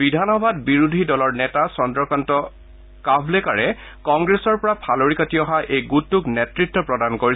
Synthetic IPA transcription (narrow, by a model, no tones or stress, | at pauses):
bidʱanɔbʱadbiɹudʱidɔlɔɹnɛtasɔndɹɔkantɔ | kabʱlekaɹɛ | kɔŋɡɹesɔɹpɔɹapʰaloɹikatiɔɦaʔejɡutːuknetɹitːɔpɹɔdankoɹi